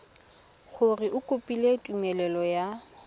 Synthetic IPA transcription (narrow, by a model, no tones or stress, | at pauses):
ɣʊrɪʔʊkʼʊpʼiletʼumɛlɛlɔja